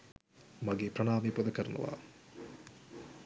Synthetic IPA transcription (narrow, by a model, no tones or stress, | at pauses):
maɡeːprɐɳaːmeːpod̪ɐkəɾɐnṵʋa̰ː